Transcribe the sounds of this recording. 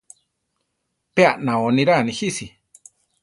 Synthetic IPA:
peaʔnãonĩɾanĩhisi

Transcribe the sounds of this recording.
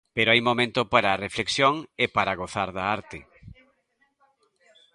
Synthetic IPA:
peɾoajmomẽnt̪opaɾaːrefleksjoŋepaɾaɣoθaɾðaaɾt̪ɪ

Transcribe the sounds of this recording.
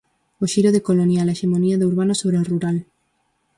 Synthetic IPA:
oʃiɾoðekolonjalaeʃemoniaðeuɾβanosoβɾeoruɾal

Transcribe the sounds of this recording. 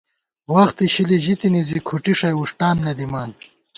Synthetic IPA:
wɐxt̪iɕiliʑit̪inizikʰuʈiʂɐjuʂʈaːnːɐd̪imaːn

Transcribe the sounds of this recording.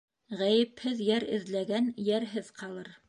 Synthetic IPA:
ʁæjɘ̆phɘðjæɾɘ̰̆ðlæɡænjæɾɦɘðqʰɑlˠɤɾ

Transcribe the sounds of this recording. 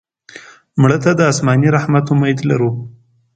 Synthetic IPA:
mɽət̪ad̪əɑsmɑniɾahmat̪omajd̪la̰ɾu

